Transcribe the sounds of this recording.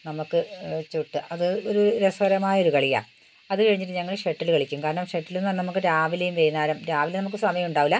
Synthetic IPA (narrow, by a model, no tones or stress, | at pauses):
nɐmukːɨt͡ɕːuʈːɨʔɐðɨoɾuɾesɐɾɐmaːjɐo̞ɾukɐɭija̰ː | ɐðɨkɐɻiɲːiʈːɨɲɐŋːɐɭʂeʈːilkɐɭikʲːumkaːɾɐɳɐmʂeʈːilenːannɐmukːɨɾaːʋilejumʋejnaːɾɐmɾaːʋilnɐmukːɨsɐmɐjɐmuɳɖaːʋilːɐ